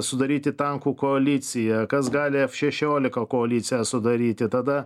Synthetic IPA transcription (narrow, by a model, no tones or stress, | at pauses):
sʊd̪ɐɾʲiːt̪ʲɪt̪ɐŋkuːkoɐlʲɪt̪sʲɪjɛkɐsɡɑːlʲɪɐʃʲɛʃʲoːlʲɪkɐkoːɐlʲiːt̪sʲɪjɛsʊd̪ɐɾʲiːt̪ʲɪt̪ɐd̪ɐ